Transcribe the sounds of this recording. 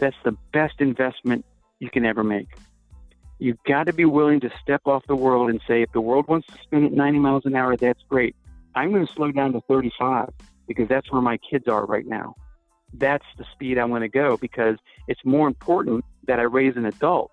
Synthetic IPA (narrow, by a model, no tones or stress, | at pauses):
ðætsðɨb̥ɛstɨ̃ɱvɛsmɨ̃n | ɨkɨ̃nɛvə˞meɪk | jɨɡɑɾɨbiwɪlˠɪ̃ŋtɨstɛpɔfðəwɜ˞lˠdɨ̃nseɪɨfðəwɜ˞lˠd̚wɑ̃ntstʰɨ̥spɛ̃ndɨtⁿnãɪ̃ɾ̃imaɪlˠzɨ̃naʊə˞ðætsɡ̥ɹeɪt̚ʔãɪ̃mɡʌnɨsloʊdãʊ̃ntɨθɜ˞ɾifaɪv̥ | b̥ɨkʌzðætswə˞maɪkʰɪdzə̰˞ɹa̰ɪtⁿna̰ʊ | ðætsðɨspiɾãɪ̃mɡʌñɨɡoʊbɨkʰʌz | ɨtsmɔɹɨ̃mpʰɔɹʔn̩ðɨɾaɪɹeɪzɨ̃nɨdʌlˠt̚